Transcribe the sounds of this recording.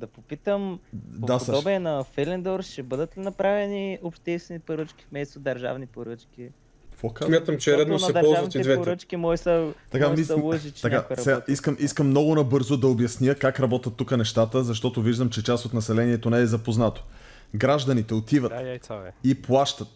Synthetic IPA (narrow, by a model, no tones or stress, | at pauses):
d̪ɐpopit̪əmd̪asd̪ɔbiɛnɐfɛlɛnd̪oɾʃɛbɤd̪ət̪linɐpɾavɛniopʃt̪ɛst̪vɛnipoɾət͡ʃkʲi̥fmɛst̪od̪ɐɾʒa̰vnipoɾət͡ʃkʲi | fokasmʲat̪əmt͡ʃɛɾɛd̪osɛd̪ɐɾpɔlˠzʒavɐnt̪iɛd̪vɛoɾət͡ʃkʲimɔjsəlt̪ɐkamizɐlˠoʒit͡ʃɛt̪ɐk̪kajɾɐsɛɡaiskəmʔiskəmːnɔɡʊnɐbɤɾzod̪ɐobjɐsniəkakɾɐbɔt̪ət̪ːukənɛʃt̪at̪əzɐʃt̪ɔt̪oviʒd̪əmt͡ʃɛt͡ʃasot̪nɐsɛlɛniɛt̪onɛɛzɐpoznat̪o̥ | ɡɾaʒd̪ɐnit̪ɛot̪ivət̪iplˠaʃt̪ət̪